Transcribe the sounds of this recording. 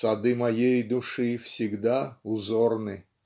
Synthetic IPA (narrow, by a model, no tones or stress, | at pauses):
sɐd̪ɨmɐjejd̪ʊʂɨfsʲɪɡd̪aʊzornɨ